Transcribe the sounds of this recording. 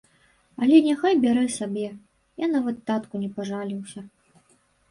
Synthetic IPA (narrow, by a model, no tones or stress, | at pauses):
ɐlʲɛnʲaxajbʲaɾɛsabʲɛ | janɐvɨt̪ːat̪kunʲɛpaʐalʲiwsʲɐ